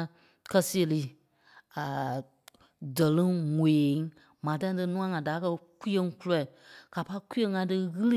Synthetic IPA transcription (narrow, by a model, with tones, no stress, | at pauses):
kɜ˧si˦e˧˨li˦ | a˨ | də˨lɨ̃˦ŋeː˨˦ŋ | mãː˨tã˦tɨ˧˦nũ˦ã˦ŋã˨da˨˦kɜ˧kʷi˦e˧˦ŋ˦ku˦lɔ˨ka˨pa˦i˦kʷu˦ẽ˦ŋã˧˦tɨ˧ɣɨ˦lɨ˦